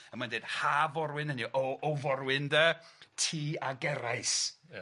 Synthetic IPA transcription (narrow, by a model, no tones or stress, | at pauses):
əmanded̥havɔɾwɪɨnəniʔoovɔrwɪndətʰiːaɡɛɾajs